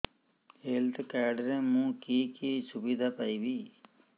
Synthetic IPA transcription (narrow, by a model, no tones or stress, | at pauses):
heːlt̪kaːɖɾẽːmũːkiːkiːsʊbiːd̪ʱaːpaiːbiː